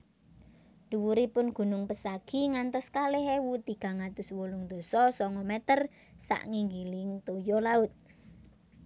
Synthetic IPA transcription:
d̥uwuɾipʊnɡ̥ṳnʊŋpəsaɡ̥iŋant̪ɔskaleɦewut̪iɡ̥ä̤ŋat̪ʊswulʊŋd̪̥o̤sɔsɔŋɔmɛt̪ər | sa̰ʔŋiŋɡilɪŋt̪ojɔlaʊt̪̚

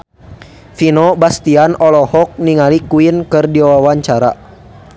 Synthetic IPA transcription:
finɔbast̪ianɔlɔhɔk̚niŋalikuinkɨrdiawawaɲt͡ʃaɾa̰

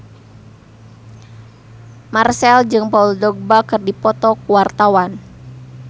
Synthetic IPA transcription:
marsɛld͡ʒɨŋpauldɔɡ̚bakɨrdipɔt̪ɔkuwart̪awan

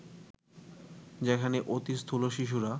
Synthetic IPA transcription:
d͡ʑekʰaneʔot̪ist̪ʰuloʃiʃ̬uɾa

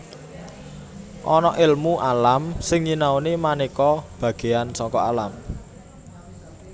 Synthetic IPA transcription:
ʔɔnɔʔɪlmuʔalamsɪŋɲinawnimanikɔb̥ä̤ɡ̥e̤ansɔkɔalam

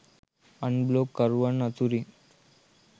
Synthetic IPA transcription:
əɳblokːəɾʋəɳːət͡suɾi

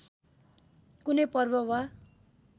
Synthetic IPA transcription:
kunʌjpʌrbʌwa

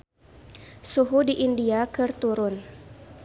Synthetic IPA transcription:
suɦudiʔindiakɨrt̪uɾʊn

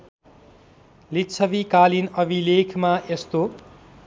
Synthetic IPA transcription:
litt͡sʰʌbikalinʌbʱilekʰmaest̪o

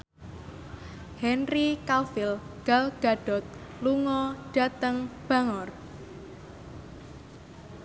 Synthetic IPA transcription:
hɛnrikalfɪlɡ̥alɡ̥a̤ɖ̥ɔ̤t̪̚ | luŋɔɖ̥a̤t̪əŋb̥ä̤ŋɔr

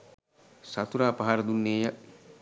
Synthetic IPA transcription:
sat̪uɾaːpaɦaɾəd̪unːeːjə

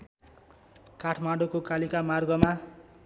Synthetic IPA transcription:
kaʈʰmaɽokokalikamarɡʌma

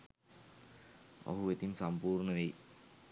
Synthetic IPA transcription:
ɐ̰ɦuʋɐt̪imsɐmpuːrɳɐʋej

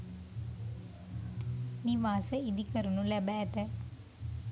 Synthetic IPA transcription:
niʋaːsɐid̪ikɐɾunulɛbɛːt̪ɐ

